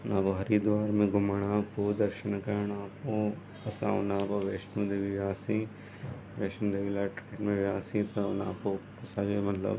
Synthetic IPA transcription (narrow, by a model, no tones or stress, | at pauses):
naːpoɦɐɾid̪ʋaːɾmẽɡʊmaɽãkod̪ɐɾʃənkɐɳ̃aːpo | ɐsã̰ːʊ̰nãːpoʋeːʃnud̪eːʋiʋjaːsĩ | ʋeːʃnũd̪eʋilaʈɾeːnmẽʋaːsĩt̪ona̰ːpopɐsaːɡemɐt̪lə̰b